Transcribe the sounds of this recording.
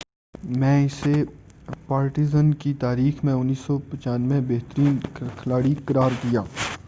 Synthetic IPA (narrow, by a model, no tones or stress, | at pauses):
mɛ̃ɪse | paːɾʈizənkit̪aːɾiːxmẽʊnːiːsɔpɐt͡ʃaːnmẽbɛɦt̪ɾiːnkʰɐlaːɽikɐɾaːɾd̪ijaː